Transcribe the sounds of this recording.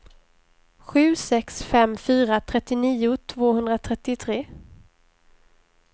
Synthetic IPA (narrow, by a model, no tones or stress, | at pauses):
ɧʉ̟ːsɛksfɛmfyːɾat̪ʰɾɛt̪ːɪniːʊt̪ʰvoːhɵnd̪ɾat̪ʰɾɛt̪ːɪt̪ʰɾeː